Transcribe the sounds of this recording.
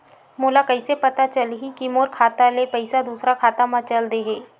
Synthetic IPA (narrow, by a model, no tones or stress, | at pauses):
moːlakɐɪsepɐt̪at͡ʃɐlɦikimoːɾkʰaːt̪alepɐɪsad̪uːsɾakʰaːt̪amãt͡ʃɐld̪eɦeː